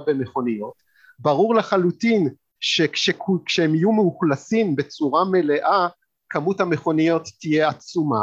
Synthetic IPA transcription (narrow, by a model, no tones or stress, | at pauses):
bemeχo̞nijo̞t | baʁuʁleχalutin | ʃekʃekkʃehemijumeuχlasimbe̞t͡suʁame̞le̞ʔa | kamuthameχo̞nijo̞t̪ːije̞at͡suma̰